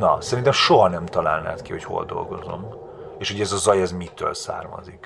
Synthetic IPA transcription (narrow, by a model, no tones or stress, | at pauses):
nɒsɛɾint̪ɛmʃo̞ɦɒnɛmt̪ɒlaːlna̰ːt̪kiho̞cho̞̰ld̪o̞̰lɡo̞zo̞̰m | eːʃho̞ɟɛzɒzɒjɛzmit̪ø̰ːlsa̰ːrmɒ̰zik